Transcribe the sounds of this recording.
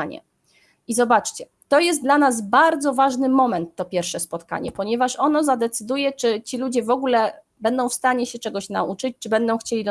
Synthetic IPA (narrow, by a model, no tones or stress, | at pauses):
aɲɛ̰ | izɔbat͡ʂt͡ɕɛ | t̪ɔjɛst̪d̪lanaz̬baɾd̪zɔvaʐnɘmɔmɛnt̪ːɔpʲjɛɾfʂɛspɔt̪ka̰ɲɛ̰pɔɲɛvaʂɔnɔzad̪ɛt̪sɘd̪ujɛt͡ʂɘt͡ɕilud͡ʑɛvɔɡulɛ | bɛnd̪ɔ̃w̃fst̪aɲɛɕɛt͡ʂɛɡɔɕna̰ut͡ʂɘt͡ɕt͡ʂɘbɛnd̪ɔ̃w̃xt͡ɕelʲid̪